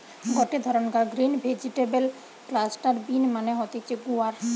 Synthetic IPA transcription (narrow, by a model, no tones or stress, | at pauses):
ɡɔʈed̪ʱɔɾɔnkaɡɾinbʱed͡ʒiʈebel | klasʈaɾbinmaneɦɔt̪it͡ʃeɡuaɾ